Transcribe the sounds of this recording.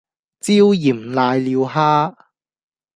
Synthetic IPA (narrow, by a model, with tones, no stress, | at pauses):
t͡siː˥wjiː˨˩mlaː˧jliː˨˧wɦaː˥